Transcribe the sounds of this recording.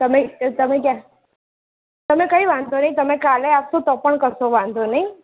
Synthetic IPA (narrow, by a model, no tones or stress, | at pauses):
t̪əmẽt̪əmẽkja | t̪əmẽkəiʋãnd̪ʱonəɦit̪əmẽkaleapsot̪ɔpəɳkəsoʋãnd̪ʱonəi